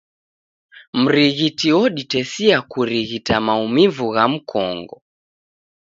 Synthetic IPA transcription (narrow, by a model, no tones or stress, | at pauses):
m̩ɾiɣitiwɔɗitɛsiakuɾiɣitamaumivuɣam̩kʰɔ̰ŋɡɔ